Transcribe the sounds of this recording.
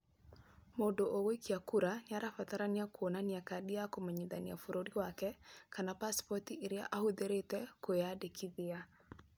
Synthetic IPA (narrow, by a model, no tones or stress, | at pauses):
modoʔowoikʰiakuɾaɲaɾafat̪aɾaniakwonaniakadiakomaɲid̪anja̰fuɾoɾiwakɛkanapaspɔtiʔiɾja̰ʔahud̪eɾetɛkojadekʰiðɪa